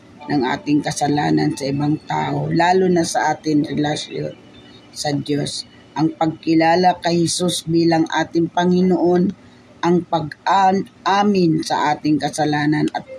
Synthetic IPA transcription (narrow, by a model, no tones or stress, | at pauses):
nɐŋʔa̰ːt̪ɪŋkɐsɐla̰ːnɐnsɐʔɪbaŋt̪a̰ːʔolaːlʊnɐsɐʔaːt̪ɪŋɾɛlɐsjo̰n | sɐd̪jos | ʔɐŋpɐɡ̚kɪlaːlɐkɐjhɛsusbiːlɐŋʔa̰ːt̪ɪŋpɐŋɪnoʔo̞n | ʔɐŋpɐɡaʔaːmɪnsɐ̰ʔaːt̪ɪŋkɐsɐlaːnɐnɐt̪̚